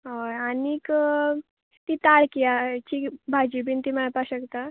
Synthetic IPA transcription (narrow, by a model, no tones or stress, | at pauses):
ɦojanik | t̪it̪aɭkiat͡ɕibʱad͡ʑibint̪iməɭpaɕəkt̪a